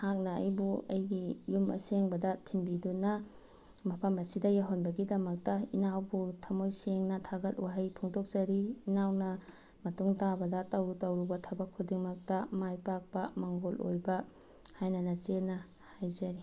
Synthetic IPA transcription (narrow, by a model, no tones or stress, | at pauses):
hak̚nɐɐ̰jbuɐ̰jɡijumɐ̰seŋbɐdɐtʰinbidunːɐ | mɐpʰɐmɐsidɐjaɦonbɐɡidɐmɐk̚tɐinawbutʰɐmojseŋnɐtʰaɡɐt̚waɦajpʰuŋtɔk̚z̥ɐɾiːnawnɐ | mɐtuŋtabɐdɐtɐwɾutɐwɾubɐtʰɐbɐkʰːudiŋmɐk̚tɐmajpak̚pɐmaŋɡolʔo̰jbɐ | hajnɐnɐt͡ʃenːɐ | hajzɐɾi